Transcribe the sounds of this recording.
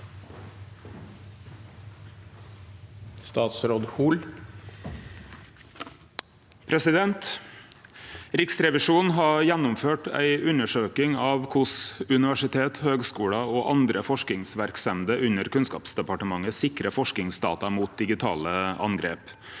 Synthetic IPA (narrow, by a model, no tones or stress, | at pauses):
st̪ɑːt̪sɾoːd̪huːl | pʰɾɛsɪd̪ɛnt̪ | ɾɪksɾɛʋɪʂuːnɦɑːjænʊmføːʈæ̰ɪʉnəʂøːkɪŋɑːʋkʰʊsʉnɪʋæʂɪt̪ʰeːt̪høːɡskuːɽɑoːʔɑnd̪ɾəfɔʂkɪŋsʋæɾksɛmd̪əʔʉnəɾkʉnskɑ̰ːpsd̪ɛpɑʈəmɑŋəsɪkɾəfɔʂkɪŋsd̪ɑ̰ːt̪ɑmuːt̪̚d̪ɪɡɪt̪ʰɑ̰ːləʔɑ̰ŋɡɾḛːp